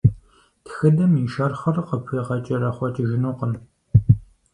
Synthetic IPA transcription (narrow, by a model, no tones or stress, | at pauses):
txɨdɐmiʃɐrχɐrqəpʰiːʁɐt͡ʃʼɐɾɐχʷɔt͡ʃʼɐʒɪnuːqən